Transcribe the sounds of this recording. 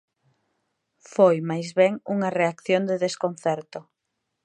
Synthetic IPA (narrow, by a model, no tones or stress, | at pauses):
fojmajzβɛŋuŋɐreakθjond̪eðeskon̟θɛɾt̪ʊ